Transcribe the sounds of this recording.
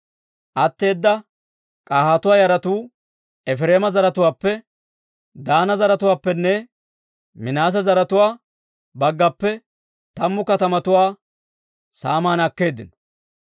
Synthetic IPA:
ʔɐt̪ːe̞ːd̪ːɐ | kʼaːhɐt̪ʊwaːjɐɾɐt̪uː | ɛfɾeːmɐzɐɾɐt̪ʊwaːpːɛ | d̪aːnɐzɐɾɐt̪ʊwaːpːɛnːɛ | mɪnaːs̬ɐzɐɾɐt̪ʊwaː | bɐɡːɐpːɛ | t̪ɐmːʊkɐt̪ɐmɐt̪ʊwaː | saːmaːnɐkːe̞ːd̪ːɪn

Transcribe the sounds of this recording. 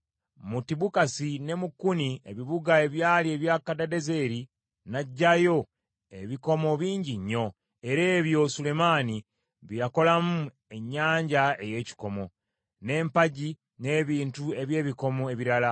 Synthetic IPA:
mutiβukasine̞mukːuniḛβiβuɡae̞βjaːlie̞βjaːkadadeze̞ɾi | naɟːajo̞ | ḛβiko̞mo̞βiːɲɟiɲːo̞ | e̞ɾeːβjosule̞mani | βijako̞lamu | e̞ɲːaːɲɟae̞je̞ːci̥ko̞mo̞ | ne̞ːmpaɟi | ne̞ːβiːntue̞βje̞ːβiko̞moe̞βiɾala

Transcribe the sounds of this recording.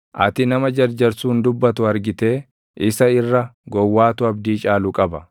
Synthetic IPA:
ʔɐ̰t̪ɪnɐmɐd͡ʒɐɾd͡ʒɐɾsuːnd̪ʊbːɐt̪ʊɐɾɡɪt̪e̞ː | ʔɪsɐɪrːɐɡɔwːaːt̪ʊɐbd̪iːt͡ʃʼaːlʊkʼɐbɐ

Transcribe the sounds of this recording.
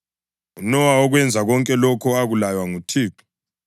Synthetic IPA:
unɔwaɔɣwɛnd͡zʱaɣɔŋkʼɛlɔkʰɔaɣulajwaŋutʰiːǁu̥

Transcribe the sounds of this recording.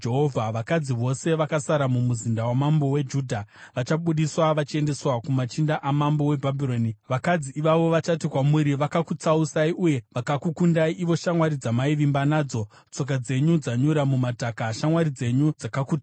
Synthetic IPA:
d͡ʒeɦovʱaʋakad͡ziʋo̞se̞ʋakasaɾamumuzindawamambo̞we̞d͡ʒuːdʱaʋat͡ʃaɓuɗiswaʋat͡ʃie̞nde̞swakumat͡ʃindaʔamambo̞we̞bʱabʱiro̞ːniʋakad͡ziːʋaʋo̞ʋat͡ʃatikwamuɾiʋakakut͡sausaiʔuje̞ʋakakukundaiʔiʋo̞ʃamwaɾid͡zamaiʋimbanaːd͡zo̞ | t͡so̞k̬ad͡ze̞ɲud͡zaɲuɾamumatakaʃamwaɾid͡ze̞ɲud͡zakakuːta

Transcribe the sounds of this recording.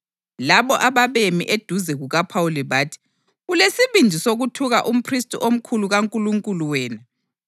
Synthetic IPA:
laβɔʔaβaβemḭʔed̥ʱuzɛɣuɣapʰauliβaːtʰi̥ | ɣulesiβind͡ʒʱisoɣutʰuɣaʔum̩pʰristʼuʔom̩kʰuluɣaŋkʼuluŋkʼuluwɛːna

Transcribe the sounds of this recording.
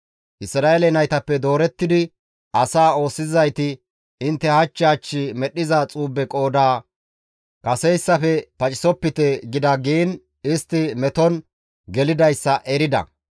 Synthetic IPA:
ʔɪsɾaːelɛnɐjt̪ɐpːɛd̪o̞ːɾɛt̪ːɪd̪ɪ | ʔɐsaːo̞ːsːɪzɐjt̪ɪ | ɪnt̪ːɛhɐt͡ʃːɪɐt͡ʃːɪmɛɗːɪzɐt͡sʼuːbːɛkʼo̞ːd̪aː | kɐsɛjsːɐfɛpɐt͡ʃʼɪ̥sɔpːɪt̪ɛɡɪd̪ɐɡiːn | ɪst̪ːɪmɛt̪ɔn | ɡɛlɪd̪ɐjsːɐʔɛɾɪd̪ɐ̰

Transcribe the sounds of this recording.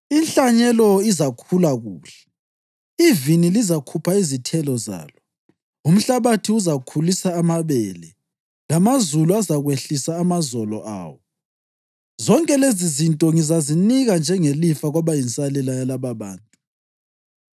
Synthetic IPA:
inɬaɲɛlɔizakʰulaɣuːɬɛ̥ | ivinilizakʰupʰaizitʰɛlɔza̰ːlɔ | um̩ɬaβatʰiuzakʰulisaːmaβɛːlɛ | lamazuluazaɣweɬisaːmazɔlɔ̰ʔa̰ːwɔ | zɔŋkʼɛlezizintʼɔŋizaziniɣand͡ʒʱɛŋelifaɣwaβajint͡sʼalɛlajalaβaβaːntʼu̥

